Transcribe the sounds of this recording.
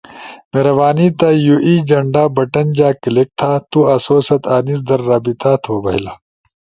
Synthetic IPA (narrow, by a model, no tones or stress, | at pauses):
meɾɐʋaːniːt̪aːjuʔiːd͡ʒɐɳɖaːbɐʈɐnd͡ʑaːkilek̚t̪ʰaːt̪uɐsoːsɐt̪aːnis̬d̪ɐɾːaːbit̪aːt̪ʰoːbɐɦilaː